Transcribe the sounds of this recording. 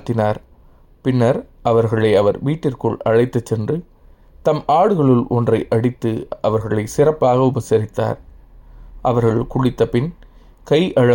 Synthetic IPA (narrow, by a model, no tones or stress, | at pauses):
t̪ːɪnaːɾ | pɪnːɐɾʔɐʋɐɾɣɐɭɐɪɐʋɐɾʋiːʈːɪrkɯɭʔɐɻɐɪt̪ːɐt͡ʃːɛndrɯ | t̪ɐmʔaːɽɯɣɐɭɯlʔɔndrɐɪʔɐɽɪt̪ːɯɐʋɐɾɣɐɭɐɪsɪrɐpːaːɣɐʊbɐsɐɾɪt̪ːa̰ːɾ | ʔɐʋɐɾɣɐɭkʊɽɪt̪ːɐpɪn | kɐɪʔɐɻɐ